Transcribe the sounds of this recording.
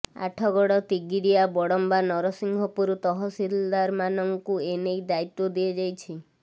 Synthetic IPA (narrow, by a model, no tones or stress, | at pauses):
a̰ʈʰɔɡɔɽɔt̪iɡiɾiabɔɽɔmbanɔɾɔsiŋɡʱɔpuɾut̪ɔɦɔsild̪aɾmanɔŋkuenejd̪ait̪ːod̪ied͡ʒajt͡ʃʰi